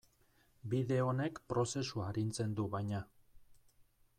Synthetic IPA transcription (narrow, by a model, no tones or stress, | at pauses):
biðe̞o̞ne̞kpɾo̞se̞suaɾint͡se̞nd̪uβajɲa